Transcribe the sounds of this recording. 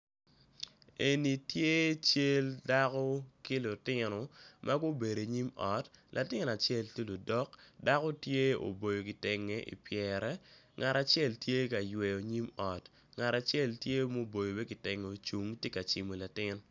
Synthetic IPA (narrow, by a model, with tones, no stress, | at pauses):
e˨ni˨tje˦t͡ʃe˦lda˦kɔ˦ki˦lʊ˨tɪ˦nɔ˨mʔa˦ɡʊ˦be˨ɾo˨ɲi˦mɔ˨tlʔa˨tɪ˦na˨t͡ʃɛ˦˨ltje˦lo˨dɔ˦kda˦ko˦tje˦o̰˨bo˨jo˨ki˨tɛ˨ŋe˨ʔḭ˨pjɛ˨ɾɛ˦ | ŋa˨ɾa˨t͡ʃjɛ˦˨ltje˦ka˨jwɛ˨jo˨ɲi˦mɔ˨t | ŋa˨ɾa˨t͡ʃɛ˦˨ltje˦mo˦bo˨jo˨be˦kɪ˨tɛ˨ŋo˨t͡ʃu˨ŋtje˦ka˨t͡ʃi˨mo˨la˨tɪ˦n